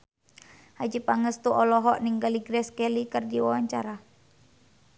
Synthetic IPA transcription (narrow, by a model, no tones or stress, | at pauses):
had͡ʒipaŋəst̪uʔɔlɔɦɔʔniŋɡəliɡɾɛskɛlikərdiwawaɲt͡ʃaɾa